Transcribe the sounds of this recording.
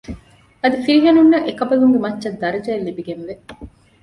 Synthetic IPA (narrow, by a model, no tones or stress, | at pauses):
ɐd̪ifiɾiɦɐnunːɐʔekɐbɐluŋɡemɐtːʃɐd̪ːɐɾɐd͡ʒɐelːibiɡenʋe